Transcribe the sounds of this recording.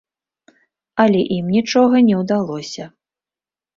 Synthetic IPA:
ɐlʲɛʔimnʲit͡ʂɔɣɐnʲɛwd̪alˠɔsʲɐ

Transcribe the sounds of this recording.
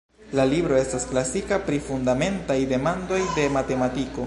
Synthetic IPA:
lalibɾo̞e̞stasklasikapɾifundame̞ntajde̞mando̞jde̞mate̞matiko̞

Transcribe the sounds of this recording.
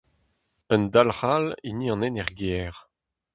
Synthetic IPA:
ənd̪alhaliniɑ̃nɛnɛʁɡɛʁ

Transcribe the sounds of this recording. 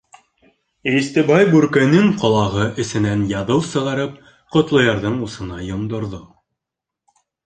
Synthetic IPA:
ist̪ɘ̆bɑjbʉɾkɘ̆nɘŋqɑlˠɑʁɤʔɘ̆sɘ̆nænjɑðɤwsɤ̆ʁɑɾɤp̚ | qŏt̪lˠɤ̆jɑɾðɤɴusɤ̆nɑjŏmd̪ŏɾðo

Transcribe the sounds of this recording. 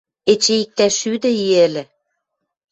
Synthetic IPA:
et͡ɕeik̚t̪æʃyd̪ɘ̆iɘ̆lɘ̆

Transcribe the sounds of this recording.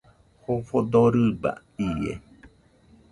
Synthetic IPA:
hofod̪oɾɨba̰ | iḛ

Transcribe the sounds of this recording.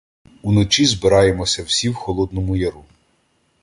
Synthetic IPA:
unɔt͡ʃizbɪɾɑjemɔsʲɐwsʲiwxɔlˠɔd̪nɔmʊjɐɾu

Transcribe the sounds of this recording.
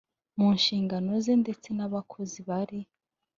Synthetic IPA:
munʃiːŋɡano̞zende̞t͡se̞naβakʰo̞ziβaɾi

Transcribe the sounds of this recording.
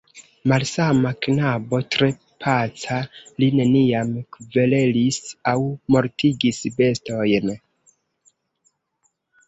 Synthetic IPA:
malsamaknabo̞tɾe̞ | pʰat͡saline̞niamkve̞le̞lisawmo̞ɾtʰiɡisbe̞sto̞jn

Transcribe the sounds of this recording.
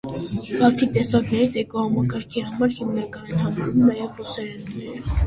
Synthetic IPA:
b̥ɑt͡sʰit̪ɛsɑɾnɛɾit͡sʰɛkuhɑmɑkɑɾkʰihɑmɑɾhimnɑkɑnɛnhɑmɑɾvumnɑjɛvrusɑɾɛnunɛɾ

